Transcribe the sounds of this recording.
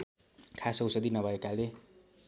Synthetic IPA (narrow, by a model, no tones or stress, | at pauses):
kʰasʌwsʌd̪inʌbʱʌekale